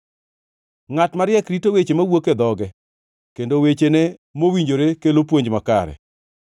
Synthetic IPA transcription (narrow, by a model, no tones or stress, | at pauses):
ŋatmaɾjɛkɾitowet͡ʃemawoked̪ɔɡɛ | kendowet͡ʃenemowiɲd͡ʒoɾekelop̬woɲd͡ʒmakaɾɛ̰